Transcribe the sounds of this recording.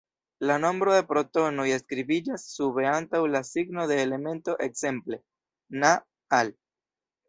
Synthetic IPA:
lano̞mbɾo̞d̪e̞pɾo̞to̞no̞je̞skɾibid͡ʒasːuβe̞antawlasiɡno̞d̪e̞ːle̞me̞nto̞ʔekse̞mple̞ | na | al

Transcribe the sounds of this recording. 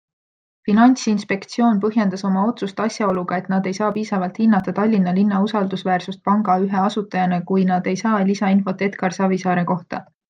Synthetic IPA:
finɑnʲsinspe̞kt̪sio̞ːnpɤɦje̞nd̪̥ɑso̞mɑo̞t̪sust̪ɑsʲjɑo̞luɡ̥ɑe̞t̪ˑnɑd̪e̞jsɑːpiːsɑvɑlt̪hinːɑt̪ːˑɑt̪ɑlʲːinːɑlinːɑusɑld̪usvæːrsust̪̚pɑŋɡ̥ɑyɦeɑsut̪ːˑɑjɑnekujnɑd̪e̞jsɑːlisɑinfo̞t̪ːˑe̞t̪kɑrsɑvisɑːɾeko̞ht̪ɑ̰

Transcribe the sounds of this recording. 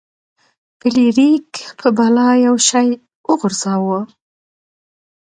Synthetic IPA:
b̥ɪliɾikpʰəbɑlɑjawʃɑj | əɣʊɾz̥ɑwə

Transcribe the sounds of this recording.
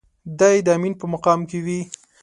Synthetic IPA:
d̪ajd̪əaminpəmaqɑmkewi

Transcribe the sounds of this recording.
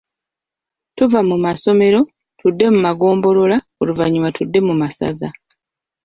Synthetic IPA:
tuvamumaso̞me̞ɾo̞ | tudːe̞mumaɡo̞ːmbo̞lo̞la | oluvaɲiwatudːe̞mumasa̰za̰

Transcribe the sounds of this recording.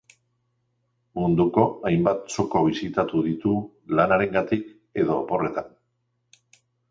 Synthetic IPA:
mund̪uko̞ajmbat̪so̞ko̞β̞isit̪at̪uðit̪u | lanaɾe̞ŋɡat̪ik | e̞ðo̞po̞re̞t̪an

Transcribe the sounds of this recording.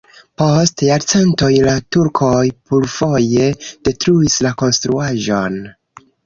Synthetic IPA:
po̞stjaɾt͡santo̞jlatuɾkʰo̞jpulfo̞je̞d̥e̞tɾuislako̞nstɾuaʒo̞n

